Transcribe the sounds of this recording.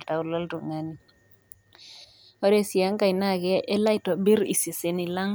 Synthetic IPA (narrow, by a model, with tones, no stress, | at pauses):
lta˨wlɔ˦ltu˨ŋa˨ni | ɔ˦ɾɛ˨si˨ja˦ŋka˨jna˦ɡɛ˦ʔːla˦jtɔ˨bi˦ɾḭ˨se˨se˨ni˨la˦ŋ